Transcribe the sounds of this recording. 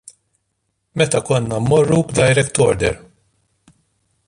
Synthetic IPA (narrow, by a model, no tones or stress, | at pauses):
mɛt̪ɐkɔnːɐmɔrːubd̪ɐjɾɛkt̪ɔɾd̪ɛ̰ɾ